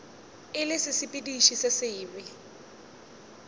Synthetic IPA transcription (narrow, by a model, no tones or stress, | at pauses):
ɪlɪsɪsɪpʼidiʃisɪsɪːbɪ